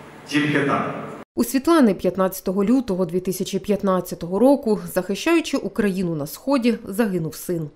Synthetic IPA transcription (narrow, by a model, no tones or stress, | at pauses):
zʲilʲɦʲet̪a̰usʲʋʲit̪lˠɑnɪpʲjɐt̪nɑt͡sʲɐ̥t̪ɔɦɔlʲut̪ɔɦɔd̪ʋʲit̪ɪsʲɐt͡ʃipʲjɐt̪nɑt͡sʲːɐt̪ɔɦɔɾɔkʊzɐxɪʃt͡ʃɑjʊt͡ʃɪʔukɾɐjinʊnɐsxɔdʲizɐɦɪnʊwsɪn